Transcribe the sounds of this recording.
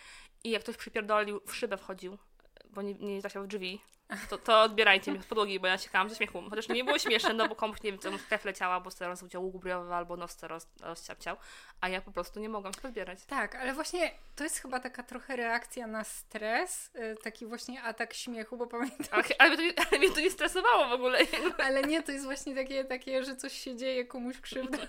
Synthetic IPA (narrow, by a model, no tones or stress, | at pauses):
ʔijakːt̪ɔɕʲpʂɨpʲɛɾd̪ɔlʲiwfʂɘbɛfxɔd͡ʑiw | bɔɲɛɲɛzaɕavʐvʲi | t̪ɔt̪ɔɔd̪̚bʲjɛɾajt͡ɕɛmʲiɔpɔd̪wɔɡʲijbɔjat͡ɕɛ̥kawamzɛɕmʲɛxuɔt͡ɕaʂɲɛbɘwɔɕmʲɛʂnnɛnɔbɔkɔmuɕɲevʲɛmsɔmsk̪ɾɛflɛt͡ɕawabɔst̪ɛɾɔzud͡ʑawuɡubɾʲjɔvɘalbɔnɔst̪sɛɾɔs | ɾɔst͡ɕa̰p̚t͡ɕaw | ajapɔpɾɔst̪uɲɛmɔɡwamspɔzbʲjɛɾat͡ɕt̪akalɛvwaɕɲɛt̪ɔjɛst̪xɘbat̪akat̪ɾɔxɛɾɛakt̪sʲjanast̪ɾɛs | t̪akʲivwaɕɲɛat̪akɕmʲjɛxubɔpamʲjɛnt̪ʰaalɛmʲjɛt̪ɔɛalɛmʲɲɛt̪ɔɲɛst̪ɾɛsɔvawɔvɔɡulɛalɛɲɛt̪ɔjɛst̪vwaɕɲɛt̪akʲɛt̪akʲɛʐɛt̪sɔɕɕɛd͡ʑejɛkɔmuɕkʂɘvd̪a